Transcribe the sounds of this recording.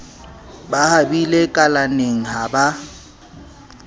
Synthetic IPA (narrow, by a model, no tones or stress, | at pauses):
bahabilekʼalaneŋ̩ɦaba